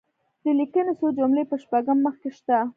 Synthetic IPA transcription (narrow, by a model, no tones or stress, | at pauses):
d̪əlikənesod͡ʒʊmlepəʃpaɡəmːəxkeʃt̪a